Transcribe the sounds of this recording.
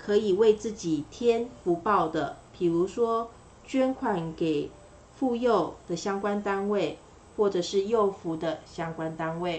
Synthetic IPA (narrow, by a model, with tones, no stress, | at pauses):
kʰɤ˧˥i˨˩we˥˧ɪt͡sɹ̩˥˩t͡ɕi˨˩t̪ʰjɛ˥nfu˧˥pɑ˥˩ʊd̪ə˩pʰi˨˩ɻu˧˥ʂwɔ˥ | t͡ɕɥɛ˥nkʰwa˨˩nke˨˩ɪ | fu˥˧jo˥˨ʊd̪̥ə˨ɕjɑ˥ŋkwa˦nt̪a˥nwe˥˨ɪ | xwɔ˥˩ʈ͡ʂɤ˨˩ʂɻ̩˥˧jo˥˩ʊfu˧˥˦d̪ə˨ɕjɑ˥ŋkwa˦nt̪a˥nwe˥˩ɪ